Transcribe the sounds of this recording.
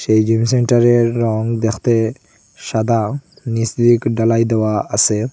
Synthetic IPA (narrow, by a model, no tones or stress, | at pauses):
ʃejd͡ʒimsɛɳʈaɾeːɔŋd̪ɛkʰt̪e | ʃad̪a | nisd̪ikɖalajd̪ɛwaase